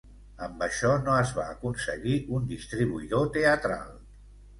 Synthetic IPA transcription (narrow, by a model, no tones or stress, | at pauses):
əmbəʃɔnoəzβaːkunsəɣiʔund̪ist̪ɾiβuiðot̪eət̪ɾa̰lˠ